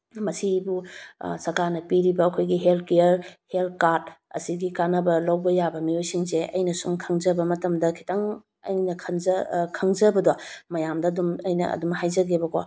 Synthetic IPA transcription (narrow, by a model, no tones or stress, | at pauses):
mɐsibusɐɾkaɾnɐpiɾibɐːkʰojɡiɦelt̚keɐɾhelt̚kaɾd̚ɐ̰siɡikanɐbɐlawbɐjabɐmiojsiŋseʔɐ̰jnɐsumkʰɐŋzɐbɐmɐtɐmdɐkʰi̥taŋ | ɐ̰jnɐkʰɐnkʰɐŋzɐbɐdomɐjamdɐːdumɐjnɐ̰ɐ̰dumhajzɐɡebɐko